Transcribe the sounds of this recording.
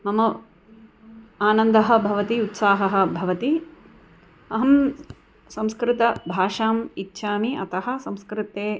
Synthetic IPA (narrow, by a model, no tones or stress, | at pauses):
mɐmɐ | aːnɐnd̪ɐɦɐ̆bʱɐʋɐt̪iut̪saːɦɐɦɐ̆bʱɐʋɐt̪i | ɐɦɐm | sɐ̃mskɾɪt̪ɐbʱaːʂaːmitːʃʰaːmiʔɐ̰t̪ɐɦɐ̆sɐmskɾɪt̪eː